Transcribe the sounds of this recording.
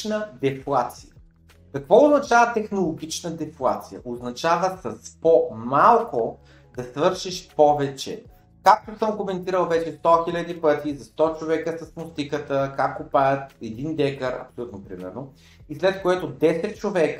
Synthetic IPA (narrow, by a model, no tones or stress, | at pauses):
nəd̪ɛflˠat̪sijə | kɐkvɔʊznɐt͡ʃavət̪ɛxnolˠoɡ̟ʲit͡ʃnəd̪ɛflˠat̪sijə̰ʔoznɐt͡ʃavəsɐspɔmalˠko | d̪̥ɐsvɤɾʃiʃpɔvɛt͡ʃɛ̰ | kak̚t̪osəmkomɛnt̪iɾəlˠvɛt͡ʃɛst̪ɔxilʲəd̪ipɤt̪izɐst̪ɔt͡ʃovɛkəsəsmʊst̪ikət̪əkakːʊpajət̪ɛd̪ind̪ɛkəɾɐ̰psolʲut̪nopɾimɛ̰ɾno | islɛt̪koɛt̪od̪ɛsɛt̪̚t͡ʃovɛk